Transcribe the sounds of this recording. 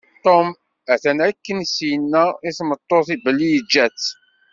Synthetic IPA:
t̪ˤom | æθænʕækːənsjənːæiθmət̪ˤːoθibəlːijəd͡ʒːæt͡sː

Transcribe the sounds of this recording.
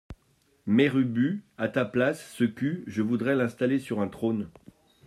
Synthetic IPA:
mɛʁybyat̪aplasːəkʲyʒəvud̪ʁɛlɛ̃st̪alesyʁɛ̃t̪χon

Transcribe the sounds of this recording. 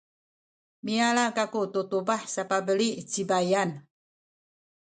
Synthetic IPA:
mialakakut̪ut̪ubahsapabəliʔt͡ʃibajan

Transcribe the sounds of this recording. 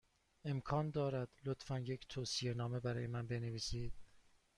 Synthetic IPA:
e̞mkʰɒːnd̪ɒːɾæd̪̥lot̪fænje̞ct̪ʰoːsie̞nɒːme̞bæɾɒ̰ːje̞mænbe̞ne̞viːsiːd̪̥̚

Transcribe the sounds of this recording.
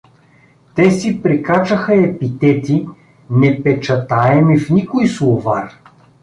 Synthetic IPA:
t̪ɛsipɾikat͡ʃəxɐɛpit̪ɛt̪i | nɛpɛt͡ʃɐt̪aɛmifnikʊjslˠʊvar

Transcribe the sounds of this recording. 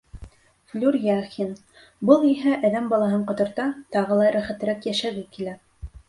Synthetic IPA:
flʲurjɑχin | bɤlˠiɦæʔæðæmbɑlˠɑɦɤɴqŏt̪ŏɾt̪ɑt̪ɑʁɤ̆lˠɑɾæχæt̪ɘ̆ɾækjæʃæɡɘkilæ

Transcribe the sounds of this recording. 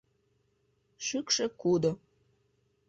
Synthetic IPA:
ʃykʃĕkud̪o

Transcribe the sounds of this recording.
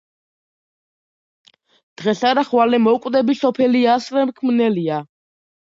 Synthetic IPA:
d̪̥ʁɛsaɾaχwalɛmɔkʼd̪ɛbisɔpʰɛliasɾɛmkʰmnɛlia

